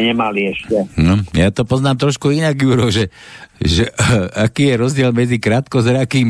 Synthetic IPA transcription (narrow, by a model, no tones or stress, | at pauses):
ɲɛmaliɛʃcɛnɔjat̪ɔpɔznaːmt̪ɾɔʃkuinaɡjuːɾɔʒɛʒɛʔakiːjɛɾɔzɟɪɛlmɛd͡zikɾaːt̪kɔzɾakiːm